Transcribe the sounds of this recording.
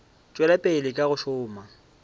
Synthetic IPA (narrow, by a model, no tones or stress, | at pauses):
t͡ʃʼwɛlapʼeɪlɪkʼaɣʊʃʊːma